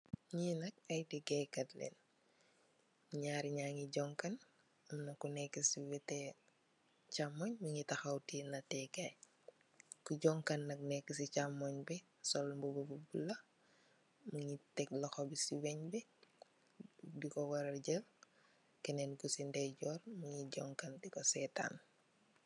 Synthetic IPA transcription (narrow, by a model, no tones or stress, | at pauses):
ɲinɐk̚ɐjtiɡɛkɐtlɛ̰n | ɲaːɾiɲaːŋiɟɔŋkan | umnɐkunɛkːisiwɛtɛ | t͡ʃamɔɲmuɲitɐxɐwtinɐtɛɡaj | kuɟɔŋkɐnːɐk̚nɛkːisit͡ʃamɔɲbi | sɔlmbubububulːɐ | muɲitɛklɐxobisiwɛɲbɛ | dikɔwɐɾɐɟɛl | kɛnɛnkusindɛɟɔːɾmuɲiɟɔŋkandikɔsɛta̰n